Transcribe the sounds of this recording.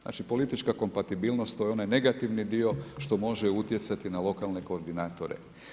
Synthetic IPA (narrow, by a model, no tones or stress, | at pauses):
na̰ːt͡ʃipo̞lit̪it͡ʃkako̞mpat̪ibiːlnost̪ojeo̞najne̞ɡat̪iʋnid̪io̞ʃt̪o̞mo̞ʒɛut̪je̞t̪sat̪inalo̞kalne̞ko̞ːɾd̪inaːt̪o̞ɾḛ